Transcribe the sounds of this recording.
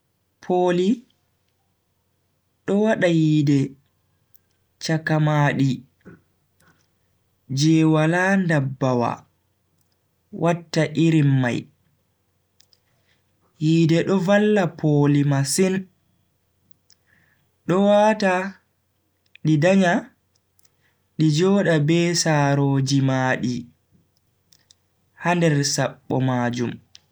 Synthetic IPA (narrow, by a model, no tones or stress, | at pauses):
pʰoːli | ɗɔwaɗajiːdɛ | t͡ʃakamaːɗi | d͡ʒɛwalandabːawa̰ | wʔatːaʔiɾimːa̰j | hiːdɛɗɔvalːapʰoːlimasin | ɗɔwaːta | ɗidaɲa | ɗid͡ʒɔːɗabɛsaːɾoːd͡ʒimaːɗi | handɛɾsaɓːɔ̰maːd͡ʒum